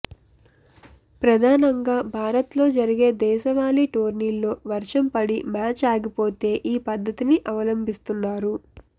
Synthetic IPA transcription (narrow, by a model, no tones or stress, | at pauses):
pɾɐd̪ʱaːnɐŋɡaːbʱaːɾɐt̪lo̞ːd͡ʒɐɾiɡe̞ːd̪ɛːʃɐʋaːliʈoːɾniːlːo̞ːʋɐɾʂɐmpɐɽimaːt͡ʃaːɡipo̞ːt̪e̞ːʔiːpɐd̪ʱːɐt̪iniʔɐʋɐlɐmbʱist̪unːaːɾu